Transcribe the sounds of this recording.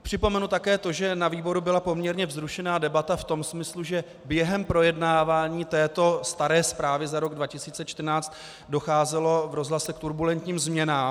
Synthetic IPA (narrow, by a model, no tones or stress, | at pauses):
pr̝̥ɪpo̞mɛnut̪akɛːt̪o̞ʒɛnaviːbo̞ɾubɪlapo̞mɲɛɾɲɛvzɾuʃɛnaːdɛbat̪aft̪o̞msmɪsluʒɛ | bjɛɦɛmpɾo̞jɛdnaːvaːɲiːt̪ɛːt̪o̞st̪aɾɛːspɾaːvɪzaɾo̞ɡdvacɪsiːt͡sɛt͡ʃt̪rnaːt͡st̪ | do̞xaːzɛlo̞vɾo̞zlasɛkt̪uɾbulɛnt̪ɲiːmzmɲɛnaːm